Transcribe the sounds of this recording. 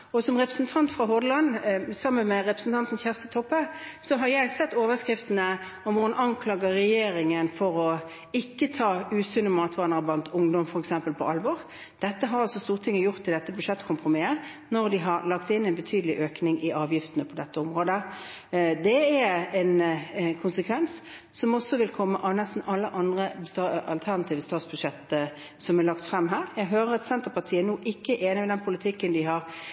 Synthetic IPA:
ɔsɔmʁɛpʁəsn̩t̪ʰɑnt̪fʁɑɦɔd̪əlɑnsɑmːənmɛɾɛpɾəsn̩t̪ʰɑnt̪n̩çæʁst̪ət̪ʰɔpːəsɔɦɑɾjæɪsɛt̪ːoːʋəskʁɪft̪nə | ɔmʋʊhɑnʔɑŋkʰlɑːɡəʁɛjeːɾɪŋənfɔɾɔ | ɪkːət̪ʰɑːʉːsʉnːəmɑːt̪ʋɑːʁnəʁblɑnt̪ʊŋd̪ɔmfɔɾɛksɛmpəlpʰɔʔɑlʋɔːʁ | d̪̥ɛt̪ːəɦɑɾɑlsɔst̪uːʁt̪ʰɪŋːəjʊʁt̪ʰːɪld̪ɛt̪ːəbʉʂɛt̪ːkʰʊmpʁʊmɪə | nɔʁd̪ɪɦɑɾlɑkt̪ɪnːɛɪnbət̪ʰyːd̪əlɪʔøːknɪŋʔɪʔɑːʋjɪft̪ənəpʰɔd̪ɛt̪ːəɔmʁoːd̪ə | d̪ɛæɛnkʰʊnsəkʰʋɛns | sɔmɔsːɔʋɪlkʰɔmːəʔɑʋnɛst̪n̩ɑlːəʔɑnd̪ʁəst̪ːɑlt̪ʰæʁnɑt̪ʰiːʋəst̪ɑːt̪sb̥ʉd̪ʂɛt̪ːə | sɔmɛlɑkt̪fɾɛmːɦæːɾjæɪɡɦøːʁəɾɑt̪sɛnt̪əpɑʁt̪ʰiːəɛnoːʔɪkːəʔeːnɪmɛd̪ɛnpʰʊlɪt̪ʰɪkːənd̪ɪɦɑʁ

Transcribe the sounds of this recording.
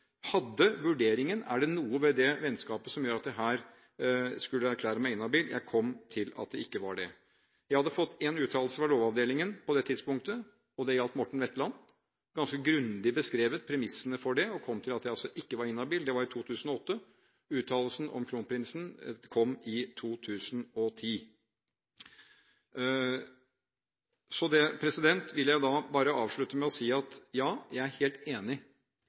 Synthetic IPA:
hɑd̪ːəʋʉɖeːɾɪŋənæ̰ɖɛnuːəʋɛd̪ɛʋɛnskɑːpəsɔmjuːɾɑt̪̚d̪ɛɦæːɾ | skʉlːəæɾkʰlæːɾəmæɪɪnːɑbiːljʔæ̰ɪkʰɔmːt̪ʰɪlɑ̰t̪̚d̪ɛɪkːəʋɑɖɛ | jæɪhɑd̪ːəfɔt̪ːeːnʉːt̪ʰɑːll̩səʋɑloːʋɑʋd̪eːlɪŋənpɔd̪ɛt̪ʰɪd̪spʊŋkt̪ə | ɔd̪ɛjɑlt̪mɔʈːɳ̩ʋɛt̪ːlɑnː | ɡ̥ɑnskəɡɾʉnd̪ɪbəskɾeːʋət̪̚pʰɾɛmɪsːənəfɔɖɛɔkʰɔmːt̪ʰɪlɑt̪jæɪɑlsɔʔɪkːəʋɑɾɪnːɑbiːld̪ɛʋɑɾɪt̪ʰuːt̪ʰʉːsn̩ɔɔt̪ːə | ʉːt̪ʰɑːləlsn̩ʔɔ̰mkʰluːnpʰɾɪnsn̩kʰɔmːɪt̪ʰuːt̪ʰʉːsnɔt̪ʰiː | sɔd̪ɛpʰɾɛsɪd̪ɛnt̪ʋɪlːjæɪd̪ɑbɑːɾəɑːʋʂɭʉt̪əmɛɔsiːɑt̪jɑːjæɪæɾheːlt̪eːnɪ

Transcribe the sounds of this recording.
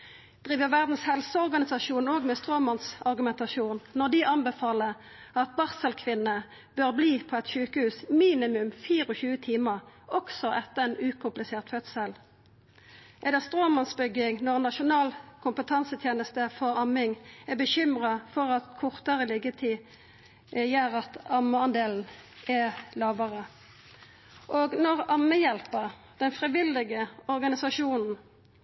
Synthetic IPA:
d̪̥ʁiːʋəʋæʁd̪n̩shɛlsəɔʁɡɑnɪsɑʃuːnoːɡmɛst̪ʁoːmɑnsɑʁɡʉmɛnt̪ɑʃuːnːɔʁd̪ɪʔɑnbəfɑːləʁ | ɑt̪̚bɑʁsəlkʰʋɪnːə | b̥øːʁbliːpʰoːɛt̪ʃʉːkəhʉːsmiːnɪmʉmfiːʁɔçʉːət̪ʰiːməʁɔksɔʔɛt̪ːəɛnʉːkʰʊmplɪseːʁt̪fœt̪səl | ʔɛd̪ɛst̪ʁoːmɑnsbʏɡɪŋnɔʁnɑʃʊnɑːlkʰʊmpət̪ʰɑnsət̪ʰjeːnəst̪əfɔʁɑmɪŋɛbəɕʏmʁɑfɔʁɑt̪kʰʊʁt̪əʁəlɪɡət̪ʰiː | jæːʁɑt̪ɑməɑnd̪eːln̩ɛlɑːʋəʁə | ʔoːɡnɔʁɑməjɛlpəʁ | d̪̥ɛnfʁiʋɪlːɪɡəɔʁɡɑnɪsɑʃuːnn̩

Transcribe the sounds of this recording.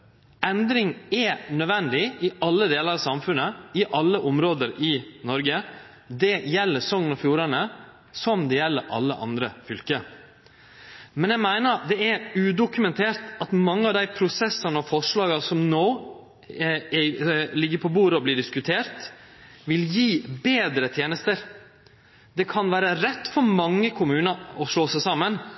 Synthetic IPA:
ɛnd̪ɾɪŋɛnœʋɛnd̪ɪɪʔɑlːəd̪eːləɾɑsɑmfʉnːəɪʔɑlːəʔɔmɾoːd̪əɾɪnɔɾɡə | d̪ɛjɛlːəsɔŋːənɔfjuːɾɑnə | sɔmd̪ɛjɛlːəɾʔɑ̰lːə̰ʔɑ̰nd̪ɾəfʏlkə | mɛnjæmæɪnəd̪ɛæɾʉːd̪ʊkʉmɛnt̪ʰeːɾt̪ɑt̪mɑŋːəɑʋd̪æɪpʰɾʊsɛsɑnəɔfɔʂɭɑːɡɑsɔmnoː | lɪɡːəɾpʰɔbuːɾəɔblɪːɖɪskʉt̪ʰeːɾt̪ | ʋɪljiːbeːd̪ɾət̪ʰjeːnəst̪əɾ | d̪ɛkʰɑnʋæːɾəɾɛt̪ːfɔɾmɑŋːəkʰʊmʉːnəɔʂɭoːsæsɑmən

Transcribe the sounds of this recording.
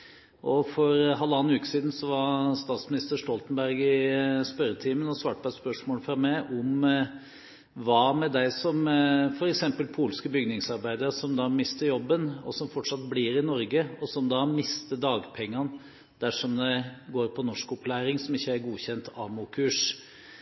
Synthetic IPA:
ʔɔfɔɾɦɑlːɑːnʉːkə̥siːd̪n̩sɔʋɑst̪ɑːt̪smɪnɪst̪əʂt̪ɔlt̪nbæɾɡɪspœɾət̪ʰiːmənɔsʋɑːʈ̚pʰɔɛt̪spœʂmoːləfɾɑmːɛʔɔm | ʋɑːmɛd̪æɪsɔmfɔɾɛksɛmpəlpʰuːlskəbʏɡnɪŋsɑɾbæɪd̪əɾsɔmd̪ɑːmɪst̪əɾjɔbːənɔ̰sɔmfɔʈʂɑt̪̚bliːɾɪnɔɾɡəɔsɔmd̪ɑːmɪst̪əɖ̪ɑːɡpʰɛŋːɑn | d̪æʂɔmd̪ɛɡoːɾpʰɔnɔʂkɔplæːɾɪŋsɔmɪçːəæɾɡuːçɛnt̪ʰɑmʊkʰʉːʂ

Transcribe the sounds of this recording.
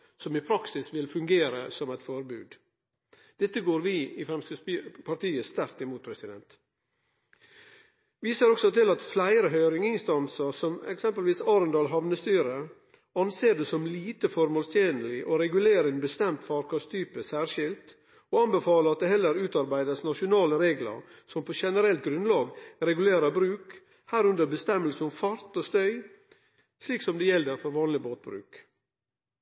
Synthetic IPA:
sɔmɪpʰɾɑksɪsʋɪlfʉŋɡeːɾə̰sɔmæɪt̪fɔɾbʉ̰ːd̪ | d̪̥ɛt̪ːəɡoːɾʋɪɪfɾɛmsəspʰɑɾt̪iːəst̪æɾt̪ɪmuːt̪̚pʰɾɛsɪd̪ɛnt̪ | ʋiːsəɾɔksɔt̪ɪlɑt̪flæɪɾəɦœʏɾɪŋɪnst̪ɑnsəɾsɔmɛ̰ksɛmpəlʋiːsɑːɾənd̪ɑːlɦɑʋnəst̪yːɾə | ɑnseːɖesɔmliːt̪əfɔɾmoːlst̪ʰjeːnəlɪʔoɾɛɡʉleːɾɛnbəst̪ɛmt̪fɑɾkɑst̪ʰyːpəsæːɾʂɪlt̪ | oɑnbəfɑːləɾɑt̪̚d̪ɛhɛlːəɾʉːt̪ɑɾbæɪd̪əsnɑʃʊnɑːləɾeːɡlɑ̰ɾ | sɔmpʰoʃɛnəɾɛlt̪̚ɡɾʉnlɑːɡɾɛɡʉleːɾəbɾʉːk | hæːɾʉnd̪əbəst̪ɛmːəlsəʊmfɑɾt̪oːst̪œʏ | sliːksɔmd̪ɛjɛld̪əɾfɔɾʋɑːnlɪboːt̪̚bɾʉ̰ːk

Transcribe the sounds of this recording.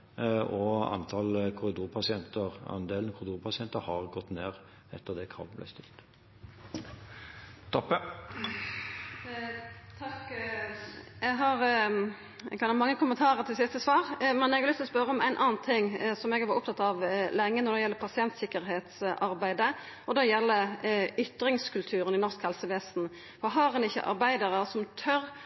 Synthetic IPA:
ɔɑ̰nt̪ʰɑlkʰʊɾɪd̪uːɾpʰɑsɪɛnt̪əɾɑ̰nd̪eːlnkʰʊɾɪd̪uːɾpʰɑsɪɛnt̪əhɑʁɡɔt̪ːneːʁ | ɛ̰t̪ːəʁd̪ɛkʰʁɑ̰ːʋblæ̰ɪst̪ɪlt̪ | t̪ʰɔpːə | t̪ʰɑk | jæɡɦɑɾ | kɑnmɑŋːəkʰʊmənt̪ʰɑːʁəɾt̪ʰɪlsɪst̪əsʋɑːʁmɛnɛɡʋlʏst̪ɔspœɾəɔmæ̰ɪnʔɑːnt̪ʰɪŋːsɔmɛɡʋɑɾʊp̚t̪ʰɑt̪ːɑʋlɛŋːənɔɾd̪ɛjɛlːəpʰɑsɪɛnt̪sɪkːəɾɦeːt̪sʔɑɾbæɪd̪ə | ɔd̪ɛjɛlːəʏt̪ɾɪŋskʰʉlt̪ʰʉːɾənɪnɔɾskhɛlsəʋɛsn̩ | fɔɦɑʁɛnɪçːə̰ʔɑ̰ɾbæɪd̪əʁəsɔmt̪ʰœɾ

